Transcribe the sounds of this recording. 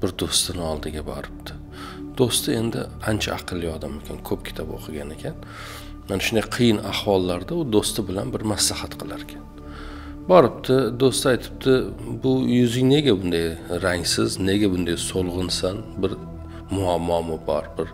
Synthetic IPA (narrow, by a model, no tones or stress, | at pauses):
b̥ɪɾd̪ost̪ɪnɪɒlˠd̪ɪɡʲabɒ̰ɾɪp̚t̪ʰɪ̥ | d̪̥ost̪ɪe̞nd̪ɪ̰ant͡ʃʰa̰ɑqʰɨlˠːijɒd̪amekʲankʰɵp̚kʲʰɪ̥t̪ʰapo̰qʰɨɡʲane̞kʲʰan | manaʃʊnd̪ajqʰɨjɪnahwɒlˠːaɾd̪aʊd̪ost̪ɪbɪlanbɪɾmaslahat̪qʰɨlˠaɾkʲʰan | bɒɾɪp̚t̪ʰɪd̪ost̪ɪajt̪ʰɪ̥p̚t̪ʰɪbʊjʊzɪŋne̞ɡʲabʊnd̪ajɾaŋsɪzne̞ɡʲabʊnd̪ajsolˠʁɨnsanbɪɾ | mʊamːɒmɪbɒɾbɪɾ